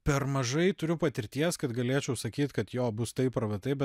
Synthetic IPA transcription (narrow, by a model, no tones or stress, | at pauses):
pʲɛɾmɐʒɐɪt̪ʊɾʲʊpɐt̪ʲɪɾʲt̪ʲiɛskɐt̪ɡɐlʲeːt͡ʃʲɛʊsɐkʲiːt̪kɐt̪joːbʊst̪ɐɪpɾɐʋɐt̪ɐɪbʲɛ